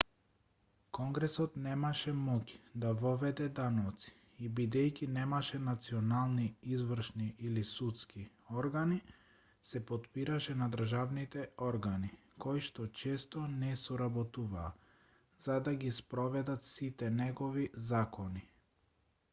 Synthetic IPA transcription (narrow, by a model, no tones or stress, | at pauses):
kɔŋɡɾɛsɔt̪nɛmaʃɛmɔci̥d̪avɔvɛd̪ɛd̪anɔt̪si̥ | ibid̪ɛjcʲinɛmaʃɛnat̪siɔnalˠniizvr̩ʃniʔilisut̪ski | ɔɾɡani | sɛpɔt̪piɾaʃɛnad̪r̩ʒavnit̪ɛɔɾɡani | kɔjʃt̪ɔt͡ʃɛst̪ɔnɛsɔɾabɔt̪uvaː | zad̪aɡispɾɔvɛd̪at̪sit̪ɛnɛɡɔvizakɔni